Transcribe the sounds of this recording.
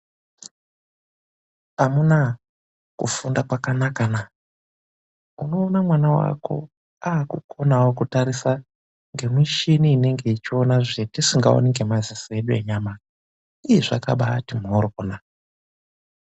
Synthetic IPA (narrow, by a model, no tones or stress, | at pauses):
amuna | kufundakwakanakana | uno̞ːnamwanawa̰ko̞̰ | aːkukʰo̞nawokutaɾisa | ŋɡe̞mwiʃiniːne̞ŋɡe̞it͡ʃio̞naʐetisiŋɡao̰niŋɡe̞mazisie̞ɗue̞̰ɲama | ijeʐa̰ka̰ɓatimɦoɾokonaa